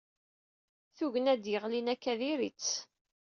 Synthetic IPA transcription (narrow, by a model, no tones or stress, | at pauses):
θuʝənæd̪jəʁlinækːæðiɾit͡sː